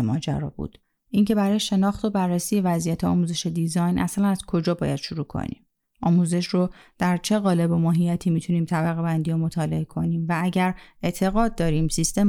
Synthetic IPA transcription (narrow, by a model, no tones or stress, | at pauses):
mɒ̰ːd͡ʒæ̰ɾɒ̰bṵːd̪̥ | ʔiŋce̞bæɾɒːjeʃe̞nɒːxt̪o̞bærːesije̞væzijæt̪ʰeɒ̰ːmuːze̞ʃe̞d̪izɒːjnʔæslænæzkʰo̞d͡ʒɒːbɒːjæd̪̥ʃoɾuːkʰo̞̰nḭːm | ʔɒːmuze̞ʃrod̪̥æɾt͡ʃʰe̞ɣɒːle̞bo̞mɒːɦijæt̪ʰiːmit̪ʰuniːmt̪ʰæbæɣe̞bænd̪ijomot̪ʰɒːle̞ekʰo̞niːmvææɟæɾe̞ʔt̪ʰe̞ɣɒːd̪̚d̪ɒːɾiːmsist̪e̞m